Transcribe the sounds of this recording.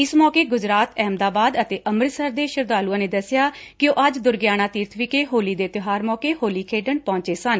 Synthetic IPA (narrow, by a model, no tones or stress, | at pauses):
ɪsmɔːkeːɡʊd͡ʒɾaːt̪ʰɛːmd̪aːbaːd̪ət̪eːʔəməɾsəɾd̪eːʃəɾd̪aːluãːneːd̪əsɪjaːkɪjoːʔəd͡ʒd̪ʊɾɡjaːñaːt̪iːɾt̪ʰʋɪkeːɦoːliːd̪eːt̪ɪɦaːɾmɔːkeːhoːliːkʰeːɖəɳpɔ̃ːɲt͡ʃeːsən